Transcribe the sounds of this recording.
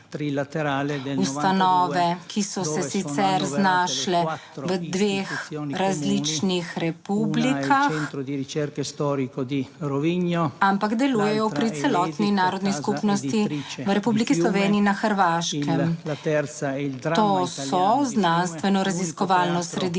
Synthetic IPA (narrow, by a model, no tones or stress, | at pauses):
t̪it̪ust̪anɔːʋɛkʰisɔsɛssit̪sɛɾznaʃlɛʋəd̪ʋexɾazlit͡ʃnixɾɛpublikʰaxɾɛɾkst̪ɔɾikod̪iɾoviɲoampaɡd̪ɛlujɛjɔpɾisɛlɔt̪ninaːɾɔd̪niskupnɔst̪iʋɾɛpublikislɔʋeːniinaxəɾʋaʃkɛmt̪ | t̪osɔznanst̪ʋɛnɔɾaziskɔʋaːlnɔsɾɛd̪i